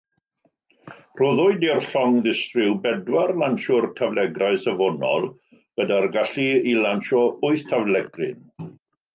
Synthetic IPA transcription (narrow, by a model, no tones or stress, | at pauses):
roðʊɨdirɬɔŋðɪstrɪwbɛdwarlˠanʃʊrtʰavlɛɡraɨsəvɔnɔ̰lˠ | ɡ̥ədarɡaɬiilanʃɔʊɨθtʰavlɛɡrɪ̰n